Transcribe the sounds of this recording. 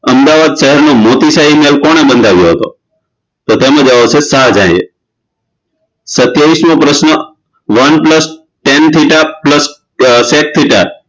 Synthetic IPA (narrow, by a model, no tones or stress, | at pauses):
əmd̪aʋad̪ʃəɦɛɾnõmot̪isaɦimelkɔɽ̃ebənd̪ʱaʋjoɦət̪o̰ | t̪ot̪emə̃d͡ʒaʋot͡ʃʰesad͡ʒãiḛ | sət̪jaʋismõpɾəʃnə | ʋənpləs | ʈent̪ʰiʈapləs | sek̚t̪ʰiʈa̰